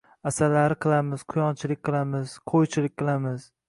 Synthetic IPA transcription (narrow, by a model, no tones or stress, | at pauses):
asaɾlaɾɪqʰɨlˠamɪz̥qʰʊjɒnt͡ʃʰɪlɪk̚ʲqʰɨlˠamɪz̥qʰojt͡ʃʰɪlɪk̚ʲqʰɨlˠamɪz̥